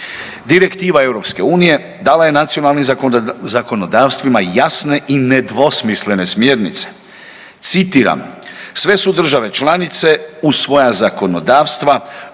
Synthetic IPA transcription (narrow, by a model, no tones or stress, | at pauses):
d̪iɾe̞kt̪iːʋae̞wɾo̞pske̞uːnije̞ | d̪aːlaje̞nat̪sio̞nalnimzako̞no̞d̪aːʋst̪ʋimajasne̞ʔined̪ʋo̞smisle̞ne̞smje̞ːɾnḭt̪se̥ | t̪sit̪iːɾa̰msʋe̞sud̪r̩ʒaʋe̞t͡ʃlanit̪se̞usʋo̞jazako̞no̞d̪aːʋst̪ʋa